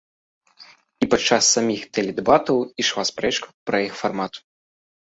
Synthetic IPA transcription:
ipat͡ʂːasːamʲixt̪ɛlʲɛd̪ɛbat̪ɐwiʂvaspɾɛt͡ʃkɐwpɾɐjixfarmat̪

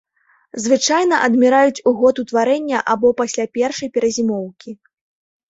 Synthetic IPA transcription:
zvɨt͡ʂajn̪ɐʔɐd̪mʲɛɾajut͡sʲuɣɔt̪ut̪vaɾɛnʲːɐʔabɔpasʲlʲapʲɛrʂɐjpʲɛɾɐzʲimɔwkʲi

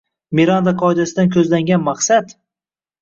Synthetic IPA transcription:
miɾand̪aqʰɒɪd̪asɪd̪ankʲʰɵzlaŋɡʲanmaχsat̪

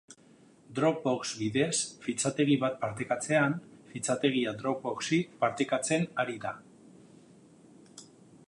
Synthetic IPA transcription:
d̪ɾo̞k̚bo̞ksbiðe̞sfit͡sat̪e̞ɣ̞iβat̪̚paɾt̪e̞kat͡se̞anfit͡sat̪e̞ɣ̞iad̪ɾo̞k̚bo̞ksipaɾt̪ekat͡se̞naɾiða

